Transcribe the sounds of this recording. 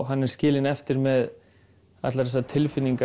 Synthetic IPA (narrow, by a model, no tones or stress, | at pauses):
ɦanːɛɾ̥scɪːlɪnɛft̪ɪɾmɛð | a̰t̪laɾðɛsat̪ʰɪlfɪnːiŋka